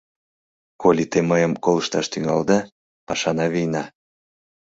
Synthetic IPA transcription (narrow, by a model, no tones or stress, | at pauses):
kolʲit̪eməjəmkoləʃt̪ɑʃt̪yŋɑ̰ld̪ə | pɑʃɑnɑβijnɑ